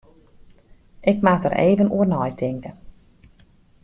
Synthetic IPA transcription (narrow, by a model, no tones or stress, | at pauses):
ʔɪkmaːtə̰ɾʔḛːvənṵərnɔjtʰɪŋkə